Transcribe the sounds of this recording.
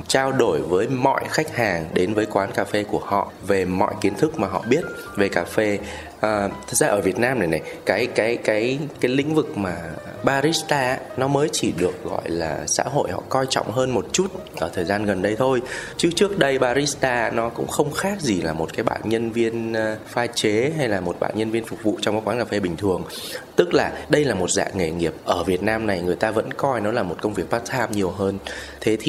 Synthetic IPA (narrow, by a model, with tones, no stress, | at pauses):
t͡ɕaː˧wɗo˧˩jvəː˨˦jmɔ̰˧˨jxa˦˥k̚haː˨˩ŋɗe˨˦nvəː˨˦jkwaː˨˦nkaː˧fe˧ku˧˩əhɔ̰˧˨ʔve˨˩mɔ̰˧˨jki˨˦ənt̪ʰɨ˦˥k̚maː˨˩ɦɔ̰˧˨ɓi˦˥ət̚ | ve˨˩kaː˧˩fe˧ | ʔəː˨˩t̪ʰɨ˨˩zaː˧ʔəː˧˩vi˨˩ət̚naː˧mna˨˩na˨˩jkaː˨˦jkaː˨˦jkaː˨˦jkaː˨˦jlḭ̈˧˥ŋ̟vɨ˨˩k̚maː˨˩ | ɓaː˧ɾi˦˥st̪aː˧ | nɔ˨˦məː˨˦jt͡ɕi˧˩ɗɨ˨˩ək̚ɣɔ̰˧˨jlaː˨˩sa̰ː˧˥ɦo̰˧˨jhɔ̰˧˨kɔ˧jt͡ɕɔ̰˧˨wŋ͡mɦəː˧nmo˨˩t̚t͡ɕu˦˥t̚ʔəː˧˩t̪ʰəː˨˩jzaː˧nɣə˨˩nɗə˧jt̪ʰo˧jt͡ɕɨ˦˥k̚t͡ɕɨ˦˥ək̚ɗə˧jɓaː˧ɾi˦˥st̪aː˧nɔ˨˦kʊ̰˧˥ŋ͡mxə˧wŋ͡mxaː˦˥k̚zi˨˩laː˨˩mo˨˩t̚kaː˨˦jɓa̰ː˧˨nɲə˧nvi˧ənfaː˧jt͡ɕe˨˦ɦa˧jlaː˨˩mo˨˩t̚ɓa̰ː˧˩nɲə˧nvi˧ənfʊ˨˩k͡p̚vṵ˧˨t͡ɕɔ˧wŋ͡mkːkwaː˨˦nka˨˩fe˧ɓï˨˩ŋ̟t̪ʰɨ˨˩əŋ | t̪ɨ˦˥k̚laː˨˩ɗə˧jlaː˨˩mo˨˩t̚za̰ː˧˨ŋe˧˨˩ŋi˨˩əp̚ʔəː˧˩vi˨˩ət̚naː˧mna˨˩jŋɨ˨˩əjt̪aː˧və̰˧˥nkɔ˧jnɔ˨˦laː˨˩mo˨˩t̚kə˧wŋ͡mvi˨˩ək̚ɓaː˦˥k̚t̪ʰaː˧mɲi˨˩əwɦəː˧nt̪ʰe˨˦t̪ʰi˨˩